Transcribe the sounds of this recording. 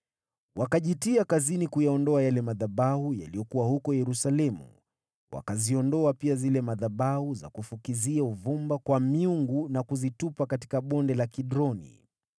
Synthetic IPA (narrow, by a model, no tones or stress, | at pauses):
wʔakaʄitiakazinikujaɔndɔajalɛmaðabahuja̰liɔkuwahukɔjɛɾusalɛmṵ | wʔa̰kaziɔndɔapiazilɛmaðaɓahuza̰kufukiziauvumbakwamiuŋɡunakuzitupakati̥kaɓɔndɛlakiɗɾɔnḭ